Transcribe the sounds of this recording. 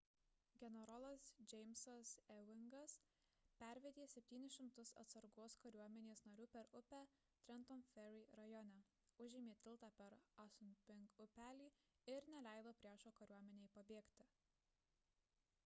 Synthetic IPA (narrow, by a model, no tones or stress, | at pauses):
ɡʲɛnʲɛɾɔlˠɐsd͡ʒʲɛɪmsɐsɛʋʲɪŋɡɐs | pʲæˑɾʲʋʲɛd̪ʲeːsʲɛpʲt̪ʲiːnʲɪsʃʲɪmt̪ʊsɐ̰t̪sɐɾɡoːskɐɾʲuɔmʲɛnʲeːsnɐɾʲuːpʲɛɾʊpʲæ | t̪ʲɾʲɛnt̪ɔnfʲɛɾʲiɾɐjɔnʲæ | ʊʒʲɪmʲeːt̪ʲɪlˠˑt̪ɑːpʲɛɾɐsʊnʲpʲɪŋkʊpʲæːlʲiː | ɪɾnʲɛlʲæˑɪd̪oːpʲɾʲiɛʃoːkɐɾʲuɔmʲɛnʲeːjpɐbʲeːkt̪ʲɪ